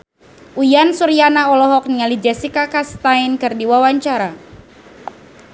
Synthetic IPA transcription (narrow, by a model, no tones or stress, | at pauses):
ʔujansuɾianaɔlɔɦɔk̚niŋalid͡ʒɛsikakast̪ainkɨrdiwawaɲt͡ʃaɾa